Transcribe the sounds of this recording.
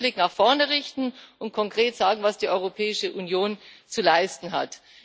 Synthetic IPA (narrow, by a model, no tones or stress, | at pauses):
lɪknaχfɔɐnəʁɪçtn̩ʔʊnt̚kʰɔŋkʁ̥eːtz̥aːɡŋ̩vasd̥iːʔɔʏʁopʰɛːɪʃəʔunjoːnt͡sulaɪstn̩ɦa̰t